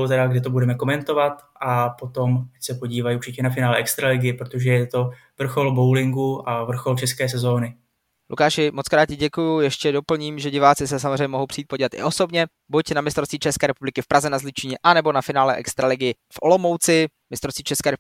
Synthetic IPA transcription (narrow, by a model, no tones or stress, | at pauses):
ot̪ɛɾaɡdɪt̪obudɛmɛko̞mɛnt̪ovat̪ʔapo̞t̪o̞mt̪acsɛpoɟiːvajuɾt͡ʃɪcɛnafɪnaːlɛʔɛkst̪ɾalɪɡɪjɪpɾot̪oʒɛjɛt̪o̞ | vr̩xo̞lbowlɪŋɡuavr̩xo̞lt͡ʃɛskɛːs̬ɛzo̞ːnɪ | lʔṵkaːʃɪmot͡skɾaːt̪̚cɪɟɛkujujɛʃcɛdo̞pl̩ɲiːmʒɛɟɪvaːt͡sɪs̬ɛs̬amozrɛjɲɛmoɦowpr̥ijːt̪̚poɟiːvat̪ɪ̰ʔo̞so̞bɲɛ | bucnamɪst̪ɾost̪viːt͡ʃɛskɛːɾɛpublɪkɪfpɾazɛnazlɪt͡ʃɪɲɛʔanɛbo̞nafɪnaːlɛʔɛ̰kst̪ɾalɪɡɪjɪ | fʔo̞̰lo̞mowt͡sɪmɪst̪ɾost̪viːt͡ʃɛskɛːɾɛ